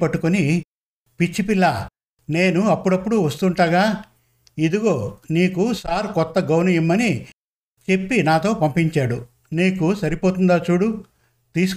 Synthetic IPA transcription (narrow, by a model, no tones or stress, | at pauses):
pɐʈːukuni | pit͡ʃːipilːaː | ne̞ːnuɐpːuɽɐpːuɽuʋɐst̪uɳʈaːɡaː | id̪uɡo̞ːniːkusaːɾkɔt̪ːɐɡɐwnɐjimːɐni | t͡ʃe̞pːinaːt̪o̞ːpɐmpiɲt͡ʃaːɽu | niːkusɐɾipoːt̪und̪aːt͡ʃuːɽu | t̪iːsu̥